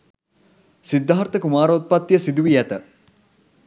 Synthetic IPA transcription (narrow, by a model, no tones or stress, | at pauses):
sid̪ːaɦaɾt̪əkumaːɾoːt̪̚pat̪ːjəsid̪uʋijæt̪ə